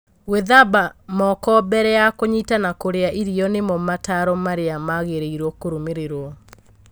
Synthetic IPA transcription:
weðabamɔkɔbɛɾɛjakoɲitanakoɾeaʔiɾiɔnemɔmataɾɔmaɾeamaɣeɾeiɾɔkoɾumeɾeɾwɔ

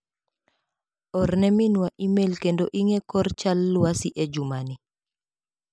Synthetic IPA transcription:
ɔrnɛminwaʔimelkendoʔiŋɛkɔrt͡ʃalːwasiʔed͡ʒumani

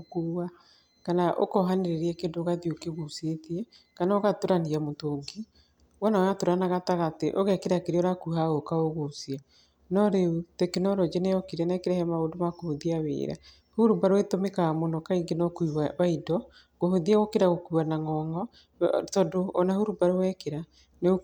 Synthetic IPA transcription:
kuwa | kanaʔo̰kɔɦaneɾeɾiɛkendoɣaðiokeɣosetiɛ | kanaoɣatoɾaniamotoŋɡi | wɔnaoatoɾanaɣataɣateʔoɣɛkeɾakeɾeoɾakuhaokaoɣosia | nɔɾeutekenɔɾɔd͡ʒenɛɔkeɾɛnaɛkeɾɛhɛmaodomakohoðiawḛːɾa̰ | huɾubaɾoetomekamonɔkaiŋɡenɔkuiwaβaidɔ | kohoðiaɣokeɾaɣokuanaŋɔŋɔ | tɔdoɔnahuɾubaɾowɛkeɾa | neo

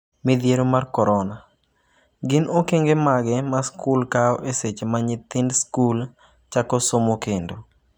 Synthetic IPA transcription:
mɪd̪jeɾomarkɔɾɔna | ɡɪnokeŋɡemaɡɛmaskulkaɔʔeset͡ʃemaɲɪt̪ɪndskul | t͡ʃakɔsomokendo

